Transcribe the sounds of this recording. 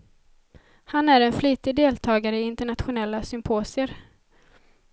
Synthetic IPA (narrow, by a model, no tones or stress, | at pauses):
hanæɾɛnflyːt̪ɪd̪eːlt̪ʰɑːɡaɾəɪɪnt̪əɳat̪ɧʊnɛlːasʏmpʰoːsɪəɾ